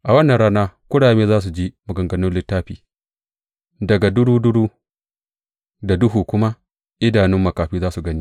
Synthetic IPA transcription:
ʔa˨wɐ˦nːɐ˨ɾɽaː˦naː˦kʷʊ˦ɽaː˨meː˦zaː˦s̬u˨d͡ʒiː˦mʊ˨ɡɐ˨ŋɡɐ˨nʊ˦nlɪ˦tːaː˦ɸḭː˨ | dɐ˨ɡa˨dʊ˦ɽuː˦dʊ˦ɽuː˦ | da˨dʊ˦ɦuː˨kʷʊ˦ma˦ | ʔɪ˦daː˨nɪ˦mːɐ˨kaː˨ɸiː˦zaː˦su˨ɡɐ˦niː˦

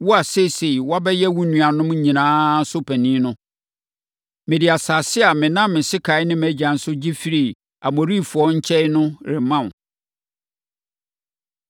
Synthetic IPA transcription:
wɔ˦a˨se˦˨se˨wa˦bɛ˦jɛ˦wũ˦nũ˨a˨nʊ̃˦mɲ̩˦ɲĩ˨nãː˦sʊ˦pʰæ˨nĩ˦nʊ̃˦ | mɪ̃˨dɪ˨a˨saː˨sɪ˦a˨mɪ̃˨nã˦mɪ̃˨sɪ˦kʰa˨ɪ˦nɪ̃˦mæ˦d͡ʑã˨n̩˦sʊ˦d͡ʑi˦fi˦ɾi˨ | a˨mo˨ɾi˦˨fʊ˨ɔ˦ɲ̩˦t͡ɕʰɛ˦ɪ˦nʊ̃˦ɾɪ˨mã˦˨m˨

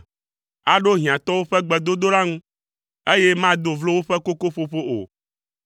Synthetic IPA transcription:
a˨ɖo˦ɦĩ˨ã˨t̪ɔ˦wo˦ɸɛ˦ɡ͡bɛ˨d̪o˦d̪o˦la˦ŋũ˦ | e˦je˦mã˦d̪o˨vlo˦wo˦ɸɛ˦ko˦ko˦ɸo˦ɸo˦ʔo̰˨

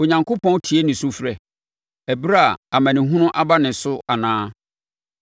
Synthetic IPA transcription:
o˨ɲã˨ŋkʰʊ˦pʰɔ̃˦n˦tʰi˨e˦nɪ̃˨sʊ˦fɾɛ˨ | æ˨bɾa˦˨a˨mæ̃˨nɪ̃˨ɦũ˦nʊ̃˦ʔa˦ba˦nɪ̃˨sʊ˦a˨nãː˦

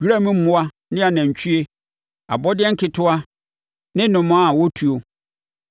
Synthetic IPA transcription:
ɥi˦ɾa˦mʊ̃˦m̩˦mʊ̃˦a˦ | nɪ̃˦a˨nã˨ɲ˨t͡ɕʰu˦e˦ | a̰˨bɔ˦dɪ˦ɛ˦ŋ̩˦kʰɪ˨˦tʰʊ˦a˦ | nɪ̃˦nʊ̃˨mʊ̃˨˦a˦˨wɔ˦tʰu˨o˨

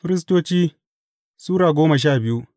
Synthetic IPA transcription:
ɸɪ˦ɾɪ˦s̬toː˦t͡ʃiː˦ | suː˦ɾaː˨ɡʷoː˦mɐ˨ʃ̬aː˦˨bɪ˦ju˦

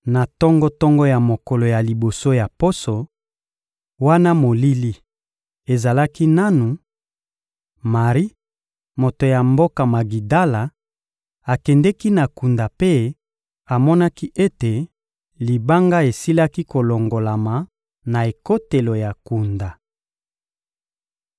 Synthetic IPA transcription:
na˨tɔ˦ŋɡɔ˦tɔ˦ŋɡɔ˦ja˨mo˨kɔ˨lo˨ja˨li˨bo˨so˦ja˨po˦so˨ | wa˦na˦mo˨li˦li˦ | e˨za˨la˦ki˦na˦nu˨ | ma˨ʁi˦ | mo˨to˨ja˨mbo˦ka˨ma˨ɡi˨da˦la˨ | a˨kɛ˨ndɛ˦ki˦na˨ku˨nda˨pe˦ | a˨mɔ˦na˦ki˦ʔe˦te˨ | li˨ba˦ŋɡa˦e˨si˦la˦ki˦ko˨lo˨ŋɡo˨la˨ma˨ | na˨e˨ko˦te˨lo˨ja˨ku˨nda˨

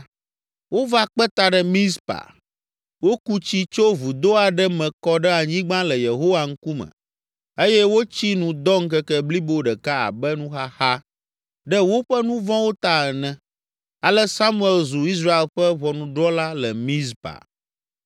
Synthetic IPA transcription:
wo˦va˦k͡pɛ˦t̪a˨ɖɛ˦mĩ˦spa̰˨ | wo˦ku˦t͡ɕi˦t͡ʃo˦vu˨d̪o˦a˨ɖɛ˦mɛ̃˨kɔ˦ɖɛ˦a˨ɲĩ˦ɡ͡bã˦lɛ˨je˨ɦo˦wa˨ŋ̩˦ku˦mɛ̰̃˨ | e˦jɛ˦wo˦t͡ɕi˦nũ˨d̪ɔ˦ŋ̩˦kɛ˦kɛ˦bli˦bo˦ɖɛ˨ka˦a̰˨bɛ˦nũ˦xa˦xa˦ | ɖɛ˦wo˦ɸɛ˦nũ˦vɔ̃˦wo˦t̪a˨ɛ˨nɛ̃˨ | a˨lɛ˦sa˦mu˦ɛ˨lzu˨i˦s̬ɾa˦e˨lɸɛ˦βɔ˨nũ˨ɖɾɔ˦la˦lɛ˨mĩ˦spa̰˨

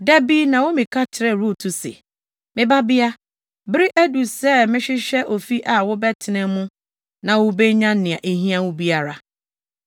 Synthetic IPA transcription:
dɛ˦bi˦nã˨wʊ˦mĩ˨kʰa˦tʰɪ˨ɾɛ˨ɾu˦˨tʰu˨sḛ˨ | mɪ̃˦ba˦bɪ˦a˦ | bɪ˦ɾi˦ʔæ˦du˨sɛː˦mɪ̃˦ɕɪ˦ɕɛ˦ʔo˨fi˦ʔa˨wʊ˦bɛ˦tʰɪ˨nɛ̃˦mũ˦ | nã˨wʊ˦be˦ɲã˦nɪ̃˨a˨ʔe˨ɦĩ˦ã˦wʊ̃˦bi˦a˦ɾa˨

